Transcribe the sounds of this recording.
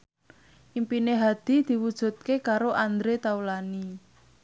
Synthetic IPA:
ʔimpineɦad̪̥i̤d̪̥i̤wud̥ʒ̥ṳt̪̚kekaɾoʔand̪ɾet̪aulani

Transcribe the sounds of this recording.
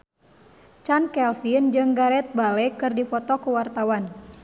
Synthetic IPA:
t͡ʃankɛlfind͡ʒɨŋɡaɾɛt̪̚balɛkɨrdipɔt̪ɔkuwart̪awan

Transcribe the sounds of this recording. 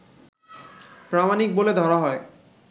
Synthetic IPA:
pɾamanik̚boled̪ʱɔɾaɦɔe

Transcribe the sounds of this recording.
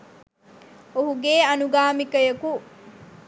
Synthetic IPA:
oɦuɡeːɐnuɡaːmikɐjɐku

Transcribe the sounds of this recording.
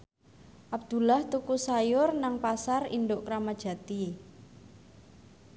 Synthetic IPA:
ʔab̚d̪̥ṳlaht̪ukusajʊrnaŋpasarḭnɖʊʔkɾamad̥ʒ̥ä̤t̪i

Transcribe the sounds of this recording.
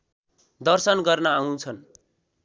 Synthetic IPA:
d̪ʌrsʌnɡʌrnʌaw̃t͡sʰʌn

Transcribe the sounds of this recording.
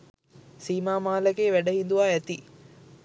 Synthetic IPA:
siːmaːmaːlɐɡeːʋæɖɐɦind̪uʋaːɛt̪i

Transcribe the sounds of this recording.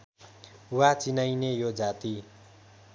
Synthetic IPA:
wat͡sinajnejod͡zat̪i

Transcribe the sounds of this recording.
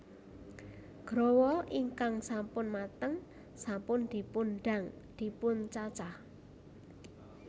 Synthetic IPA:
ɡ̥ɾowɔʔiŋkaŋsampʊnmat̪əŋ | sampʊnd̪̥i̤punɖa̤ŋd̪̥i̤pʊnt͡ʃat͡ʃah

